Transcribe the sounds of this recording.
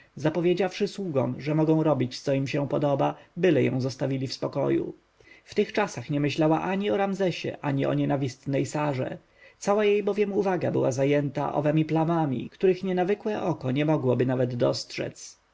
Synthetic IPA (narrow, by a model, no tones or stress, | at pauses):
zapɔvʲjed͡ʑafʂɘswuɡɔ̰mʐɛmɔɡɔ̃w̃ɾɔbʲit͡ɕt̪sɔimɕɛ̃pɔd̪ɔbabɘlɛjɔ̰̃w̃zɔst̪avʲilʲifspɔkɔjṵ | ft̪ɘxt͡ʂasaxɲɛmɘɕlawaʔaɲiɔɾamzɛɕɛ̰ʔaɲiɔ̰ɲɛnavʲist̪nɛjsaʐɛ̰ | t̪sawajejbɔvʲjɛmuvaɡabɘwazajɛnt̪a̰ʔɔ̰vɛmʲiplamamʲḭkt̪uɾɘxɲɛnavɘkwɛʔɔkɔɲɛmɔɡwɔbɘnavɛd̪ːɔstʂɛ̰t̪s